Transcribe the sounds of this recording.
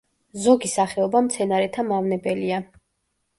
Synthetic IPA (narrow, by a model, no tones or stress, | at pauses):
zɔɡisaχɛɔbamt̪sʰɛnaɾɛt̪ʰamavnɛbɛlia